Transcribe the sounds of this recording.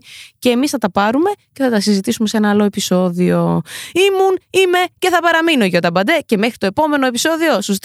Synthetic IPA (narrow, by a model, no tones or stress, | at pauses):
ce̞ːmisθɐt̪ɐpɐɾume̞ce̞θɐt̪ɐsizit̪isumese̞nɐːlo̞e̞piso̞ðio̞̰imunime̞ce̞θɐpɐɾɐminoʝɐot̪ɐbɐnd̪e̞ce̞me̞xɾit̪o̞epo̞me̞no̞e̞piso̞ðio̞sust̪